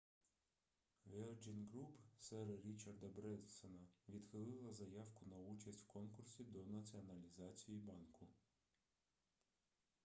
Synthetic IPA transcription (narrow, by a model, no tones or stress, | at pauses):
ʋɛlˠd͡ʒinɡɾupsɛɾɾʲit͡ʃɐrd̪ɐbɾɛnsɔnɐʋʲid̪xɪlˠɪlˠɐzɐjɑwkʊnɐut͡ʃɐsʲwkɔnkʊrsʲid̪ɔnɐt͡sʲiɔnɐlʲizɑt͡sʲijibɑnkʊ